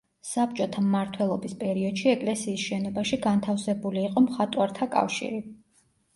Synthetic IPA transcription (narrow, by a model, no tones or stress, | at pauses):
sap̚t͡ʃʼɔt̪ʰamːaɾt̪ʰwɛlˠɔbispʼɛɾiɔd̪̥ʃiɛkʼlɛsiːsʃɛnɔbaʃiɡant̪ʰafsɛbuliːqʼɔmχat̪ʼwaɾt̪ʰakʼa̰fʃḭɾi